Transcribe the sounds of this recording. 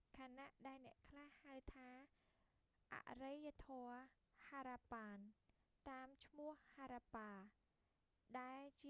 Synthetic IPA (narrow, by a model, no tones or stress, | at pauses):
kʰaːnaʔɗaɛlnɛ̆əʔkʰlahhawt̪ʰaː | ʔa̰ʔrejat̪ʰɔə | haːɾaːpaːn | t̪aːmt͡ɕʰmʊ̆əhhaːɾaːpaː | ɗaɛlt͡ɕi